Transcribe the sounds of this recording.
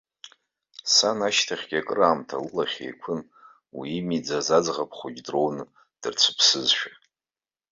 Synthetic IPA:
sanaʃtʰaχʲɡʲakʼɨraːmtʰa̰lɨlaχʲḛjkʷʰʊn | wḭːmid͡zazad͡zʁapʰχʷʊd͡ʒʲdro̞wnɨ | d̥ɨrt͡sʷʰɨ̥pʰsɨzʃᶣa

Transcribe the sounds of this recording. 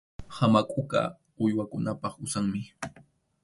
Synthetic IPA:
hamakʼʊka̰ | ʊjwakʊnapɑχʊsaŋmɪ

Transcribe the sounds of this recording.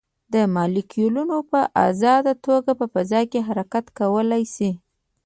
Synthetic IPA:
d̪əmɑlikijulunopəʔa̰zɑd̪at̪oɡapəfazɑjkeɦaɾakat̪kawəlajsi

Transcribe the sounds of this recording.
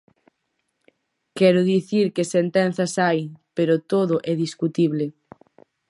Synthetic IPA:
kɛɾʊðiθiɾkesent̪ɛnθɐsajpeɾʊt̪oðʊʔɛðiskut̪iβle

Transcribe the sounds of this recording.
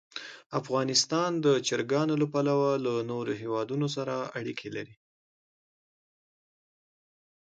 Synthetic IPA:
afɣɑnɪst̪ɑnd̪ət͡ʃɪɾɡɑnolapalawalanoɾoɦewɑd̪unos̬aɾaaɽikʰelaɾi

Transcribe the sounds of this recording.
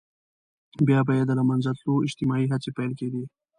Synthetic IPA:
bjɑbajed̪əlamanzat̪loɪd͡ʒt̪ɪmɑiɦat͡sepajlked̪i

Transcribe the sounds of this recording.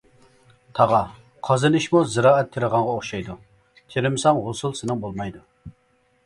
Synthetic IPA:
t̪ʰɑʁɑ | qʰɑzɨnɨʃmuzɨɾɑːɛt̪ʰːeɾəʁɑŋʁɑoχʃɑjd̪u | t̪ʲʰeɾɪmsɑŋʁosulˠsɪnɨŋbolˠmɑjd̪u

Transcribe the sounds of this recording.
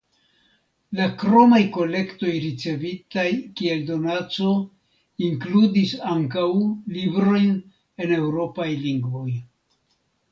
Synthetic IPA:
lakɾo̞majko̞le̞kto̞jɾit͡se̞vitajkie̞ldo̞nat͡so̞ | iŋkludisaŋkawlibɾo̞jn | e̞ne̞wɾo̞pajliŋɡvo̞j

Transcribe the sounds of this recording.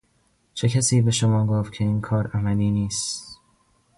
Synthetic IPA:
t͡ʃʰecʰæsiːbe̞ʃomɒːɡoːft̪̚cʰe̞iːnkʰɒːɾæmæliːniːst̪

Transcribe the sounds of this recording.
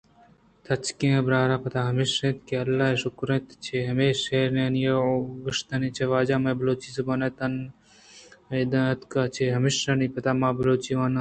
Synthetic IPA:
t̪ʰɐt͡ʃkẽẽbɾaːɾaːpɐt̪aɦɐmiʃẽːt̪keɐlːaːeʃʊkɾẽt̪t͡ʃʰeɦɐmeːʃeːɾnenjeɡɐʂt̪ɐnit͡ʃʰeʋaːd͡ʒaːmẽbɐloːt͡ʃisɐbɐnet̪ɐn | d̪ɐɐt̪kat͡ʃʰeɦɐmiʃɐnipɐt̪aːmaːbɐloːt͡ʃiʋaːnɐ

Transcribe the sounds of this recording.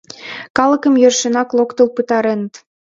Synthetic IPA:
kɑlə̆kəmjørʃenɑklˠokt̪ə̆lpɨt̪ɑɾenə̆t̪

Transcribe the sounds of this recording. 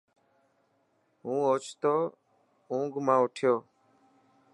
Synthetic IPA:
ɦũːoːt͡ʃʰt̪oː | ũːŋɡmãːʊʈʰjoː

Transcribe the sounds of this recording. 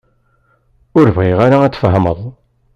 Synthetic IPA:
ʊɾvʁiʁaɾaæt͡sːfəɦəməðˤ

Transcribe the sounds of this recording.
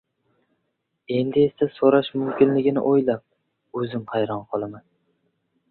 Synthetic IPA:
e̞nd̪ɪe̞sasoɾaʃmʊmkʲʰɪnlɪɡʲɪnɪ̰ʔojlap̚ | ɵzɪmhajɾɒnqʰɨlˠaman

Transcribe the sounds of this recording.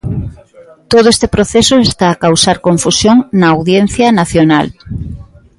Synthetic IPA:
t̪oðʊest̪epɾoθesʊest̪aːkawsaɾkoɱfusjoŋnɐːwðjenθjɐnaθjonal

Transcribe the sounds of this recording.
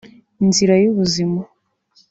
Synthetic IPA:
inziɾajuβuzima

